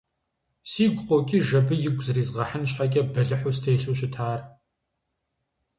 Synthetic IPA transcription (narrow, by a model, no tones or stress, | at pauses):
siːɡʷqʼokʲʼiːʒɐbɨjɪɡʷʼzɨriːzʁɐħənɕħaɡʲʼɐbɐɮɨħʊstʰeːɬuːɕɪtʰaːr